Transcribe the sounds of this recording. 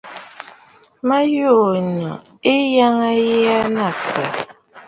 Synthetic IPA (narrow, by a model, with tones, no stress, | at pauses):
ma˦joː˦˨ɲɔ̰˨ | e˦ja˦ŋa˦jɛ˦a˦na˨kɛ̰˨